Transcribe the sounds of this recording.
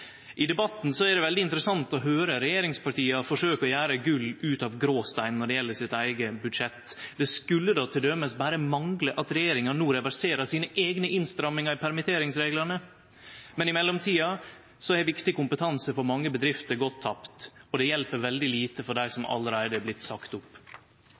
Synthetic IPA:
ʔɪd̪ɛbɑt̪nsɔæd̪ɛʋɛld̪ɪɪnt̪ɾəsɑnt̪ɔɦøːɾəɾɛjeːɾɪŋspɑʈiːɑfɔʂøːkɔjæːɾəɡʉlːʉːt̪ɑʋɡɾoːst̪æɪnːɔɖɛjɛlːəsɪt̪æɪɡəbʉd̪ʂɛt̪ː | d̪̥ɛskʉlːəd̪ɑːt̪ʰɪld̪œməsbæːɾəmɑŋɡləʔɑt̪ɾɛjeːɾɪŋɑnuːɾɛʋæɾseːɾɑsiːnəʔeːɡnəʔɪnst̪ɾɑmːɪŋɑɾɪpʰæɾmɪt̪ʰeːɾɪŋsɾeːɡlənə | mɛnɪmɛlːɔmt̪ʰiːɑ | sɔæʋɪkt̪ɪkʊmpət̪ʰɑnsəfɔɾmɑŋːəbəd̪ɾɪft̪əɾɡɔt̪ʰːɑpt̪ɔd̪ɛjɛlpəɾʋɛld̪ɪliːt̪əfɔɖæɪsɔmʔɑ̰lːəɾæɪd̪əblɪt̪ːsɑkt̪ʊpː

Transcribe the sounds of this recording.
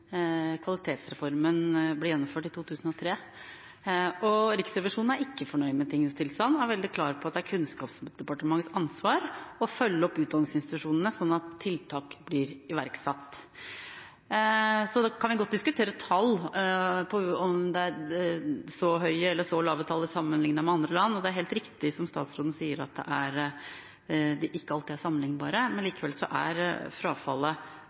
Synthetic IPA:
kʰʋɑlɪt̪ʰeːt̪sɾɛfɔɾmənblɪɾjɛnːɔmføːʈɪt̪ʰuːt̪ʰʉːsn̩ɔt̪ʰɾeː | ɔɾɪksɾɛʋɪʂuːnn̩æɾɪkːəfɔɳœʏmɛt̪ʰɪŋːnəst̪ʰɪlst̪ɑnːæɾʋɛld̪ɪkʰlɑːɾpʰɔɑt̪d̪æɾkʰʉnskɑːpsd̪̥ɛpɑʈəmɑŋːəsɑnsʋɑːɾɔfœlːəɔpːʉːt̪d̪ɑnɪŋsɪnst̪ɪt̪ʉʂuːnənəsɔnːɑt̪ʰːɪlt̪ʰɑːkblɪɾɪʋæɾksɑt̪ː | sɔd̪ɑkʰɑnʋɪɡɔt̪̚ːd̪ɪskʉt̪ʰeːɾət̪ʰɑlː | pʰɔɔmd̪ɛæɾ | sɔɦœʏɛlːəʂɔlɑːʋət̪ʰɑlːəsɑmːənlɪŋnɑɾmɛɑnd̪ɾəlɑnːɔd̪ɛæɾɦeːlt̪ɾɪkt̪ɪsɔmst̪ɑ̰ːt̪sɾoːd̪n̩siːəɾɑ̰t̪̚d̪ɛ̰ʔæɾ | d̪ɪʔɪkːəɑlt̪ɪæʂɑmːənlɪŋnbɑːɾəmɛnliːkəʋɛlsɔ̰ʔæ̰ɾfɾɑːfɑ̰lːə

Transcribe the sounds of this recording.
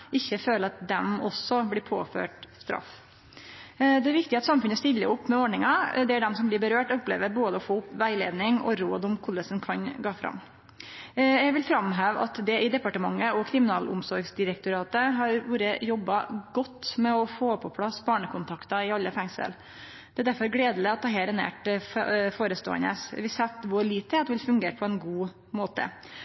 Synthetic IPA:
ʔɪçːəføːləɾɑt̪̚d̪ɛmɔsːɔblɪːpʰo̰ːfø̰ːʈst̪ɾɑ̰f | d̪ɛæɾʋɪkt̪ɪɑt̪sɑmfʉnːəst̪ɪlːəʊpːmɛoɖɳɪŋɑd̪ɛæɖɛmsɔmblɪɾbəɾøːʈʊplḛːʋəɾboːd̪əɔfoːʊpʋæɪlḛːd̪nɪŋɔ̰ɾoːd̪ʊmkʰʊlːəsnkʰɑnɡɑːfɾɑ̰mː | jɛɡʋɪlfɾɑmɦæːʋɑ̰t̪d̪ɛʔɪd̪ɛpɑʈəmɑŋːəɔkʰɾɪmɪnɑːlʊ̰msɔɾɡsd̪ɪɾəkt̪ʊɾɑːt̪əɦɑɾʋuːɾəjɔbːɑɡɔt̪ːmɛɔfoːpʰɔpʰlɑsbɑːɳəkʰʊnt̪ʰɑkt̪ɑɪɑlːəfɛŋsə̰l | d̪̥ɛæɾd̪æɾfɔɾɡɽeːd̪l̩əɑt̪̚ɛɦeːɾɛnḛːʈffoːɾəst̪o̰ːə̰nə̰sʋɪsɛt̪ːʋʊɭiːt̪ʰːɛt̪ʋɪlfʉŋɡeːʈ̚pʰɔɛnɡuː | moːt̪ə̰

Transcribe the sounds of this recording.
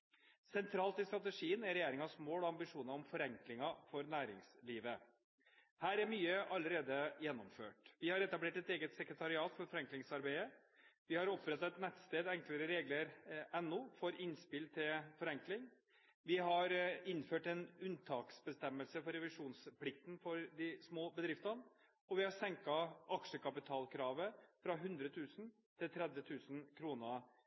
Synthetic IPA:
sɛnt̪ʰɾɑːlt̪ɪst̪ɾɑt̪əʂiːənæɾɛjeːɾɪŋɑsmoːlɔɑmbɪʂuːnəɾɔmfɔɾɛŋklɪŋɑfɔɾnæːɾɪ̰ŋsliːʋə | hæːɾæɾmyːəʔɑlːəɾeːd̪əjɛnːɔmfø̰ːʈʋɪhɑɾɛt̪ɑbleːʈɛt̪eːɡət̪sɛkɾət̪ʰɑɾɪɑːt̪fɔɾfɔɾɛŋklɪŋsɑɾbæɪə | ʋɪhɑɾɔpːɾɛt̪ɑɛt̪nɛt̪st̪eːd̪ɛŋkləɾəɾeːɡləɾɛnːuːfɔɾɪnspɪlt̪ʰɪlfɔɾɛŋklɪŋ | ʋɪɦɑɾɪnføːʈɛnʉnt̪ʰɑːksbəst̪ɛmːəlsəfɔɾɛʋɪʂuːnspʰlɪk̚t̪n̩fɔɾd̪ɪsmoːbəd̪ɾɪft̪ɑn | ɔʋɪhɑsɛŋkɑʔɑkʂəkɑpɪt̪ʰɑːlkʰɾɑːʋəfɾɑɦʉnd̪ɾət̪ʰʉːsn | t̪ʰɪlt̪ʰɾɛd̪ʋət̪ʰʉːsn̩kʰɾuːnə

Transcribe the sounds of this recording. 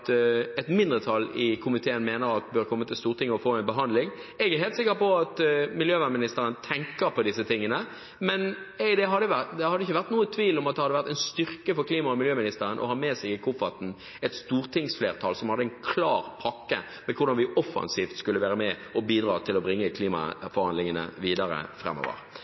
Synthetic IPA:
t̪ɛt̪mɪnd̪ʁət̪ʰɑlːɪkʰʊmɪt̪ʰeːənmeːnəɾɑt̪bøɾkʰɔmːət̪ʰɪlst̪uːɾt̪ɪŋːəɔfoːɛɪnbəɦɑnd̪lɪŋ | ɛɡɛɾɦeːlt̪sɪkːəpɔɑt̪mɪljøːʋæmɪnɪst̪əɾənt̪ʰɛŋkəɾpʰɔd̪ɪsːət̪ʰɪŋːənə | mɛnɛɪd̪ɛɦɑd̪ːəʋæt̪d̪ɛhɑd̪ːəɪçːəʋæʁt̪nuːət̪ʰʋiːlɔmɑt̪̚d̪ɛhɑd̪ːəʋæɾt̪ːɛɪnst̪ʏɾkəfɔɾkliːmɑɔmɪljøːmɪnɪst̪əɾənʔɔ̰hɑːmɛːsɛɡɪkʰʊfɑt̪n̩ | ɛt̪st̪uːɾt̪ʰɪŋsfleːɾt̪ʰɑːlsɔmhɑd̪əɛɪnkʰlɑːɾpʰɑkːə̰ | mɛkʰʊɾd̪ɑnʋɪʔɔfɑ̰nsiːft̪skʉləʋæːɾəmɛɔbiːd̪ɾɑːt̪ʰɪlɔbɾɪŋːəkʰliːmɑ̰fɔɾhɑnd̪lɪŋənə̰ʋiːd̪ɑɾə̰fɾɛ̰mːo̰ːʋə̰ɾ

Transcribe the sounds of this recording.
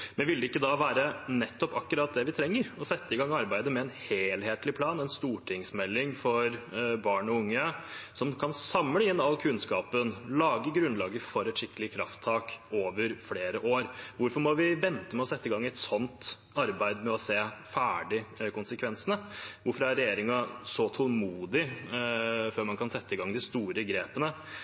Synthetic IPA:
mɛʋɪld̪əɪkːəd̪ɑʋæːɾənɛt̪ːɔpɑkːʉɾɑːt̪̚d̪ɛʋɪt̪ʰɾɛŋːəɾɔsɛt̪ːəɪɡɑŋːɑɾbæɪd̪əmɛɛnheːlheːt̪lɪpʰlɑːnɛnst̪uːʈʰɪŋsmɛlːɪŋfɔɾbɑːɳɔʊŋːəsɔmkʰɑnsɑmləɪnːɑlːkʰʉnskɑːpənlɑːɡəɡɾʉnlɑːɡəfɔɾɛt̪ʂɪkːəlɪəkʰɾɑ̰ft̪ʰːɑːkoːʋəɾfleːɾəʔoːɾʋʊɾfɔɾmɔʋɪʋɛnt̪əmɛɔsɛt̪ːəɪɡɑŋːæɪt̪sɔnt̪ | ɑɾbæɪd̪mɛɔseːfæːɖɪkʊnsəkʰʋɛnsənəʋʊɾfɔɾæɾɛjeːɾɪŋɑsɔt̪ʰɔlmuːd̪ɪ | føːɾmɑnkʰɑnsɛt̪ːəɪɡɑŋd̪ɪst̪uːɾəɡɾeːpənə

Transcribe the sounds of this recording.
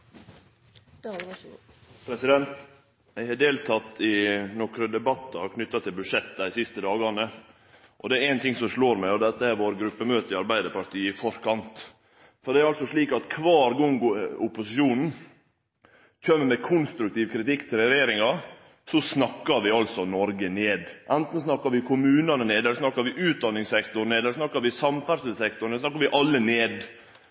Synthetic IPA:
pʰɾɛsɪd̪ɛnt̪ | ʋɪhɑɖ̪eːlt̪ʰɑt̪ːɪnɔkɾəd̪ɛbɑt̪ːɑkʰnʏt̪ːɑt̪ʰɪlbʉd̪ʂɛt̪ːsɪst̪əd̪ɑːɡəɑnːə | ʔɔd̪ɛæɾænt̪ʰɪŋsɔmʂɭoːɾmæɪɔd̪ɛt̪ːəæɾʋoːɾɡɾʉpːəmøːt̪əɾɪɑɾbæɪd̪əpɑɾt̪ʰiːɪfɔɾkʰɑnt̪ | fɔɖ̪ɛæɾɑlsɔʂɭiːkɑt̪kʰʋɑːɾɡʊŋɡʊpːʊsɪʃuːnn̩ | çømːəmɛkʰʊnst̪ɾʉk̚t̪iːʋkʰɾɪt̪ɪkːt̪ʰɪlɛɾjeːɾɪŋɑ | sɔsnɑkːɑɾʋɪɑlsɔnɔɾɡəneːd̪ʔænt̪n̩snɑkːɑɾʋɪkʰʊmʉːnɑnəneːd̪ɛlːəʂsnɑkːɑɾʋɪʔʉːt̪̚d̪ɑnːɪŋsɛkt̪ʊɾneːd̪ɛləsnɑkːɑɾʋɪsɑmfæɾsɪsɛkt̪ʊɾəsnɑkːɑɾʋɪʔɑlːəneːd̪

